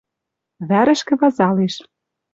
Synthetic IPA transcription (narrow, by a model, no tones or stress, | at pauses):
βæɾɘ̆ʃkɘ̆βɑzɑleʃ